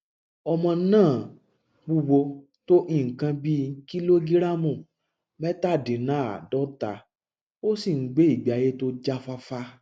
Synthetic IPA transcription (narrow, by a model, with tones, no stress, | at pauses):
ɔ˧mɔ̃˧˦nãː˦˨ | ɡ͡bu˧wo˧ | to˦ʔĩ˦˨kã˧bi˦ki˦lo˦ɡi˦ɾa˦mũ˦˨ | mɛ˦ta˦˨dĩ˨nãː˨˦a̰˨dɔ˦ta˨ | o˦si˦˨ŋ̩˦ɡ͡be˦i˦˨ɡ͡ba˨je˦to˦d͡ʒa˦fa˧fa˧